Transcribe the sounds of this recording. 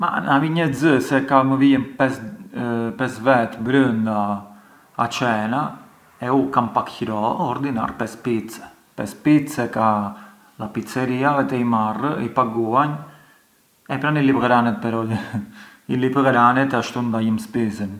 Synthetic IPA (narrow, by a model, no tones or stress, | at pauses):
ma̰naviɲəzəsɛkaməviɛnpɛs | pɛsvɛt̪bɾənd̪aː | t͡ʃɛna | ɛukanpakçɾɔɔɾd̪ina̰ɾpɛspit͡sɛ̥ | pɛ̰spisɛka | d̪apit͡sɛɾiavɛt̪ɛimarəipaɡuan | ɛpɾanilipɣɾanɛt̪̚pɛɾɔ | ilipɣɾanɛt̪aʃt̪und̪ajimspizən